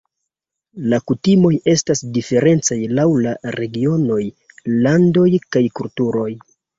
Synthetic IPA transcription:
lakutimo̞je̞stasdife̞ɾe̞nt͡sajlawlaɾe̞ɡio̞no̞j | lando̞jkajkultuɾo̞j

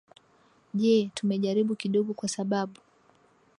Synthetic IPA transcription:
ʄɛtumɛʄaɾiɓukiɗɔɡɔkwasaɓaɓu

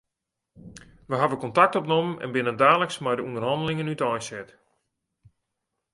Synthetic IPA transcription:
ʋəɦaʋəkɔntak̚tɔpnomənɛ̰nbɪnəndaːləksmɛjdəundərɦɑndəlɪŋənytɔjsɛt

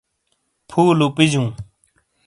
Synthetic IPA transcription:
pʰuːlupid͡ʑũː

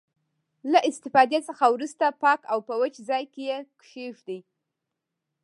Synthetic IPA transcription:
laʔɪst̪ɪfɑd̪et͡səxawɾust̪apɑkawpəwət͡ʃzɑjkejekʂefd̪aj

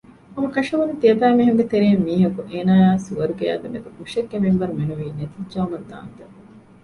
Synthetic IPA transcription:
ɐmɐkɐʂɐʋɐnut̪iɐbæːmiɦeŋɡet̪eɾeːmːiːɦɐkuʔeːnaːjaːsuʋɐɾuɡejæ̰ːd̪emek̪ɐkuʂekːemimʋɐɾumenuʋiːnet̪id͡ʒɐumɐnd̪a̰ːnt̪e

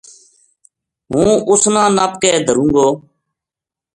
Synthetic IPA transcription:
ɦũːʊsnãːnaːp̚kɛːd̪ʱəɾũːŋɡoː

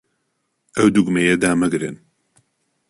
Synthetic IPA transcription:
ɛwd̪uɡmɛjɛd̪aːmɨɡɾɨ̰n

